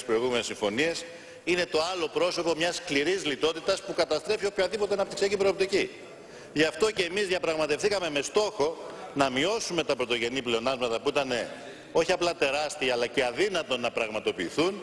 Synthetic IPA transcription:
spɾo̞iɣume̞nesiɱfo̞nies | ine̞t̪o̞ɐlo̞pɾo̞so̞po̞mɲɐskliɾizlit̪o̞t̪it̪ɐspukɐt̪ɐst̪ɾe̞fio̞pçɐðipo̞t̪eɐnɐpt̪iksiɐcipɾo̞ːp̚t̪ici | ʝɐft̪o̞ce̞ːmizðjɐpɾɐɣmɐt̪efθikɐme̞me̞st̪o̞xo̞nɐmio̞sume̞t̪ɐpɾo̞t̪o̞ʝe̞niple̞o̞nɐzmɐt̪ɐpuit̪ɐne̞ | o̞çiɐplɐt̪e̞ɾɐst̪iɐɐlɐce̞ɐðinɐt̪o̞nɐpɾɐɣmɐt̪o̞piːθun

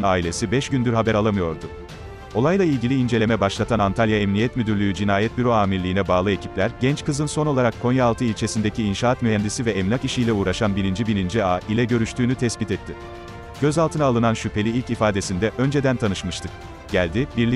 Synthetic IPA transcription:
naːilʲe̞sibɛʃɟynd̪yɾɦabæɾalˠamɯjo̞ɾd̪ʊ | o̞lˠajlˠailʲɟilʲiːnd͡ʒe̞lʲe̞mɛbaʃlˠat̪ʰanant̪ʰalʲjaɛmnijɛt̪myd̪yɾlʲyːyd͡ʒinaːjɛt̪byɾoaːmiɾlʲiːnɛbaːlˠɯe̞cʰiplʲæɾɟɛnt͡ʃkɯzɯnso̞no̞lˠaɾakʰːo̞njaːlˠt̪ʰɯilʲt͡ʃʰe̞sind̪e̞cʰiːnʃaːat̪myɦɛnd̪isivɛːmlʲakiʃijlʲɛuːɾaʃanbiɾind͡ʒibinind͡ʒiaːʔilʲɛɟø̞ɾyʃt̪ʰyːnyt̪ʰɛsbit̪ɛt̪ʰːɪ | ɟ̥ø̞zalˠt̪ɯnaːlˠɯnanʃypʰe̞lʲiilʲcifaːd̪e̞sind̪ɛʔø̞nd͡ʒe̞d̪ænt̪ʰanɯʃmɯʃt̪ɯk̚ | ɟ̥ælʲd̪ibiɾlʲi

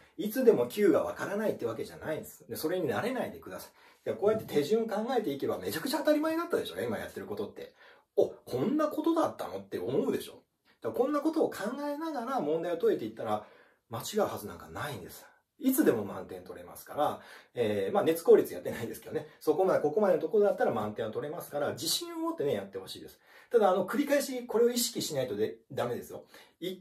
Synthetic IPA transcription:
it͡sɨd̪e̞mo̞kʲʰɨːɡaβ̞a̰kaɾanait̪ːeβak̬e̞ʑa̰naĩnd̪e̞sɨ̥d̪e̞so̞ɾe̞ɲ̟inaɾe̞naid̪e̞kɯ̟d̪asḁi | d̪akoːjat̪ːe̞t̪ʰe̞ʑɨ̃ɰ̃okãŋɡae̞t̪e̞ike̞bame̞t͡ɕakɯ̟̥t͡ɕaːt̪aɾʲimaenat̪ːad̪e̞ɕo̞ːaimajat̪ːe̞ɾɯ̟ko̞t̪o̞t̪ːe̞ | okʰõ̞nːako̞t̪od̪at̪ːa̰no̞t̪ːe̞o̞mo̞ɯ̟d̪e̞ɕo̞̰ | d̪̥akõ̞nːako̞t̪o̞ːkʰãŋɡae̞naɡaɾamõ̞nd̪aiot̪o̞e̞t̪e̞it̪ːaɾa | mat͡ɕiɡaɯ̟hazɨnã̰ŋkanaĩnd̪e̞sɨ̥ | it͡sɨd̪e̞mo̞mã̰nt̪ẽnt̪o̞ɾe̞̰ma̰sɨ̥kaɾaeːmaːne̞t͡sɨ̥ko̞ːɾʲit͡sɨja̰t̪ːe̞naĩnd̪e̞sɨ̥ke̞d̪neso̞ko̞mad̪eko̞ko̞mad̪e̞not̪okoɾod̪at̪ːaɾamãnt̪ẽot̪o̞ɾe̞masɨ̥kaɾad͡ʑiɕĩɰ̃omot̪ːe̞ne̞jat̪ːe̞ho̞ɕḭːd̪e̞sɨ̥t̪ad̪aːno̞kɯ̟ɾʲikaiɕiko̞ɾe̞o̞iɕi̥kʲiɕinait̪o̞d̪ed̪ame̞d̪esɨjo̞̰ | i

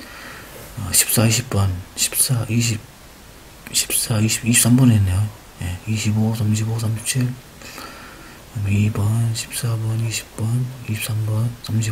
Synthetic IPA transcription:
ʌɕʰi̥p̚s͈aiɕ̬ʰip̚p͈ʌnɕʰi̥p̚s͈aiɕ̬ip | ɕʰi̥p̚s͈aiɕiiɕips͈ambʌnenːjo | jeiɕʰibosʰamɕ̬ʰibosamɕʰip̚t͡ɕʰil | mibʌnɕʰi̥p̚s͈abʌniɕʰi̥pp͈ʌniɕip̚s͈ambʌnsʰamɕ̬ʰi

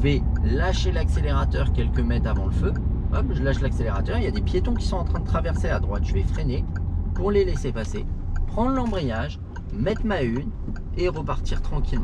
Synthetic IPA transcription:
əvɛlaʃelakseleʁat̪œʁkʲɛlkəmɛt̪avɑ̃ləføamʒəlaʃlakseleʁat̪œʁeljad̪epjet̪ɔ̃kʲi̥sɔ̃ɑ̃t̪χɛ̃d̪ət̪χavɛʁsead̪ʁwat̪ʒ̥əvɛfχɛnepuʁlelesepasepχɑ̃lɑ̃bʁijaʒ | mɛt̪χmayn | eʁəpaʁt̪iʁt̪χɑ̃kʲilmɑ̃

